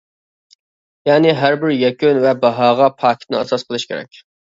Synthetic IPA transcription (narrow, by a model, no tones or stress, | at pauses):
jɑːnɪɦæɾbɪɾjɛkʲynvɛbɑɦɑːʁɑpʰɑːkʲʰt̪̚nɪɑsɑsqʰəlˠɨʃkʲeɾɛ̰kʲ